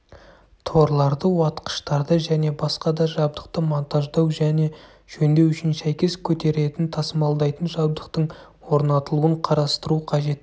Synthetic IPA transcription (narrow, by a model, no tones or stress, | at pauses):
t̪ʰo̞ɾlˠɑɾd̪əwɑt̪qə̥ʃt̪ɑɾd̪əʒæne̞bɑsqɑd̪ɑʒɑb̚d̪əq̚t̪əmont̪ɑʒd̪ɑwʒæne̞ | ʒ̥ɵnd̪e̞wʏʃɪnsæjkʲe̞skʲʰɵt̪e̞ɾe̞t̪ɪnt̪ʰɑsəmɑlˠd̪ɑjt̪ənʒɑb̚d̪əqt̪əɴ | wo̞ɾnɑt̪əlˠuəɴqʰɑɾɑst̪əɾuqʰɑʒe̞t̪